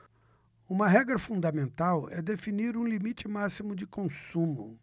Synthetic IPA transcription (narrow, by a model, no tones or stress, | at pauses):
ũmɐɦɛɡɾɐfũd̪ɐmẽnt̪awɛd̪efiniɾũlimit͡ʃɪmasimʊd͡ʒɪkõsũmʊ